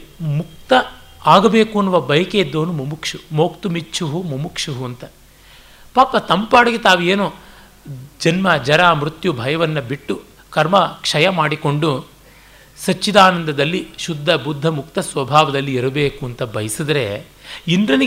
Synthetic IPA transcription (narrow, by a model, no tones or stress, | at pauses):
muk̚t̪ɐaːɡɐbe̞ːkuɐnːuʋɐbɐjɐkeid̪ːoːnumumukʂumoːk̚t̪umit͡ʃːt͡ʃʰːuɦumumukʂuɦuɐnt̪ɐ | paːpːɐt̪ɐmpaːɽɐɡet̪aːʋueːnu | d͡ʒɐnmɐd͡ʒɐɾaːmɾut̪jubʱɐjɐʋɐnːɐbiʈːu | kɐɾmɐkʂɐjɐmaːɽiko̞ɳɖu | sɐt͡ʃːid̪aːnɐnd̪ʱɐd̪ɐlːiʃud̪ʱːɐbud̪ʱːɐmuk̚t̪ɐsʋɐbʱaːʋɐd̪ɐlːiiɾɐbeːkuɐnt̪ɐbɐjɐsid̪ɐɾe̞̰ | ind̪ɾɐni